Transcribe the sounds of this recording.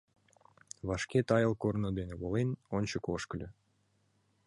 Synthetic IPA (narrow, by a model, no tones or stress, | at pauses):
vɑʃkʲet̪ɑjɤlˠkornod̪enɘβolˠenonʲt͡ɕokoʃkʲylʲø